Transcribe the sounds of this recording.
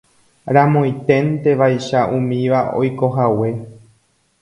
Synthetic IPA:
ɾamõjt̪ẽ̞nt̪e̞ʋajʃaʔũmĩʋao̞̰jko̞ɦawe̞

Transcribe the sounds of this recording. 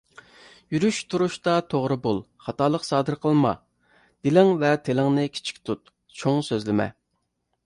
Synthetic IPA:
jyɾyʃt̪ʰuɾuʃt̪ɑt̪ʰoʁɾɨbolˠ | χɑt̪ɑːlˠəqsɑːd̪ɨɾqʰəlˠmɑ̰ | d̪̥ɪlɪŋvɛt̪ʰelɪŋnɪkʲʰi̥t͡ʃʰi̥kʲt̪ʰut̪ | t͡ʃʰoŋsøzlɪmɛ̰

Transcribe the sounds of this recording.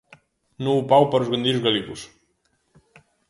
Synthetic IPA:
nũupawpəɾuzɣɐnd̪iɾuzɣɐliɣus

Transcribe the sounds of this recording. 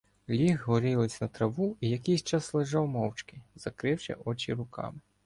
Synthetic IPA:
lʲiɦɦɔɾʲilˠɪsʲnɐt̪ɾɐʋuijɐkɛjsʲt͡ʃɑslˠɪʒɑwmɔwt͡ʃkɪz̥ɐkɾɪwʃɛ̰ʔɔt͡ʃʲḭɾʊkɑ̰mɪ

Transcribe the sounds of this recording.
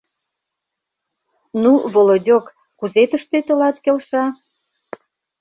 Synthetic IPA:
nuβolodʲokː | uzet̪əʃt̪et̪ə̆lɑt̪kelʃɑ

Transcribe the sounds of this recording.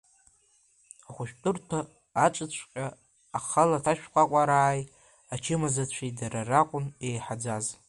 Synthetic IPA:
aχʷʊʃᶣtʼɨrtʰa | at͡ʃʼɨt͡ɕʷʰqʲʼaː | χalatʰaʃᶣqʷʼakʷʼaɾaːj | at͡ʃʰɪmazat͡ɕʷʰidararaqʷʼʊne̞jħad͡zaz

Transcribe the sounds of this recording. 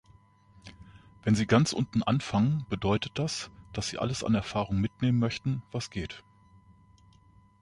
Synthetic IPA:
vɛnziːɡant͡sʔʊ̰ntn̩ʔa̰nfaŋənb̥ədɔʏtət̚d̥asd̥asz̥ḭːʔa̰ləsa̰nɛɐfaːʁʊŋmɪtneːmənmœçtn̩v̥asɡ̥eːt

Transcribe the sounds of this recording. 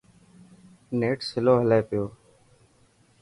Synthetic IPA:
neːʈsɪloːɦəleːpɪjoː

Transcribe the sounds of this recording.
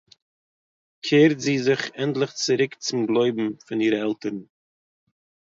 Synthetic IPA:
kʰeːɾtziːzɪχɛntlˠɪχt͡sɪɾɪkt͡sɪmɡlˠoɪbm̩fɪniːɾəɛlˠtəɾn̩

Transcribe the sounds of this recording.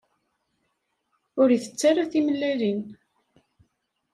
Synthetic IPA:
ʊɾiθə̥t͡sːaɾaθimlːælin

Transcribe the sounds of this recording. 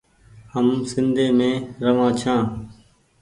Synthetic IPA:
həmsɪnd̪ʱeːmẽːɾəʋãːt͡ʃʰãː

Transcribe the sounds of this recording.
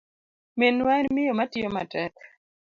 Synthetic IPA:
menwanmɪjomatɪoma̰tɛk

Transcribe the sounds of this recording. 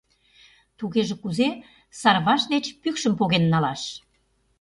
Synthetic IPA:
t̪uɣeʒĕkuze | sɑrβɑʃd̪et͡ɕpykʃə̆mpoɣenːɑlɑʃ

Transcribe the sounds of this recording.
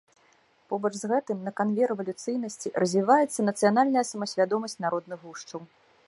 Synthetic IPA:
pɔbɐt͡ʂzɣɛt̪ɨmnɐkanvʲɛɾɛvɐlʲut̪sɨjnɐsʲt͡sʲirɐzʲvʲivajɛt̪sːɐnɐt̪sɨjanalʲnɐjɐsɐmɐsʲvʲad̪ɔmɐsʲt͡sʲnaɾɔd̪nɨɣɣuʂt͡ʂɐw

